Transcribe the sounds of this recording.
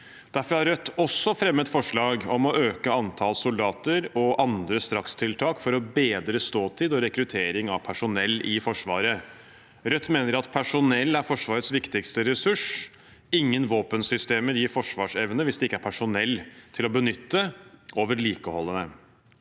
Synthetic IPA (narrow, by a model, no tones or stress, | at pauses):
d̪̥æɾfɔɾhɑɾœt̪ːɔsːɔfɾɛmːət̪fɔʂɭɑːɡɔmɔʔøːkəɑnt̪ʰɑːlsʊld̪ɑːt̪əɾɔʔɑnd̪ɾəst̪ɾɑkst̪ʰɪlt̪ʰɑːkfɔɾɔbeːd̪ɾəst̪oːt̪ʰiːd̪ɔɾɛkɾʉt̪ʰeːɾɪŋɑʋpʰæʂʊnɛlːɪfɔʂʋɑːɾə | ɾœt̪ːmeːnəɾɾɑt̪pʰæʂʊnɛlːæɾfɔʂʋɑːɾət̪sʋɪkt̪ɪɡst̪əɾɛsʉʂ | ɪŋːənʋoːpənsʏst̪eːməɾjiːfɔʂʋɑːʂɛʋnəʋɪsd̪ɛɪkːæɾpʰæʂʊnɛlːt̪ʰɪlɔbənʏt̪ːəʔoːʋəɭiːkəhɔlːənə